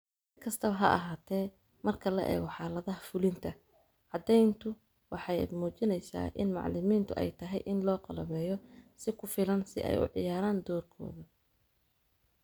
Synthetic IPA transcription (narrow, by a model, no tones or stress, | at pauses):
sɪkʰɐst̪ʰɐβɐɦɐ̰ʔɐ̰ɦaːt̪ʰɛː | mɐrkʰɐlɐ̰ʔɛ̰ːɣɔħɑːlɐðɐɦɐfʊlɪnt̪ʰɐ | ʕɑd̪ɛjnt̪ʰʊ | wɑħɑj̰d̪muːt͡ʃɪnɛjsa̰ːʔɪ̰nmɑ̰ʕlɪmiːnt̪ʰʊʔɛ̰jt̪ʰɐɦɛjʔɪnlɔːqɑlɐβɛːjɔsɪkʰʊfɪlɐnsɪ̰ʔɛ̰jʊ̰ʕɪ̰jaːɾaːnd̪ɔːrkʰɔ̰ːðɐ